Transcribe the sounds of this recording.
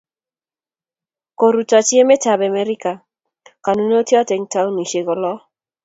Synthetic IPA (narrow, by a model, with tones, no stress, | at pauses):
ko˨ɾu˨ta˨t͡ʃi˦e˦me˦ta˨bɛ˨me˦ɾɪ˦ka˨ | ka˨nu˦no˦tjɔ˦tɛ˨ŋta˨˦u˦ni˨ʃe˨ɡɔ˨lɔ˦